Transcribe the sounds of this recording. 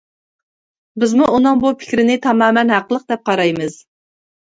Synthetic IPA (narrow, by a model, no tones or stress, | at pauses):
bɪzmuunɨŋbupʰɪ̥kʲɾɪnɪt̪ʰɑmɑːmɛnɦæqəlˠəq̚d̪ɛp̚qʰɑɾɑjmɨz̥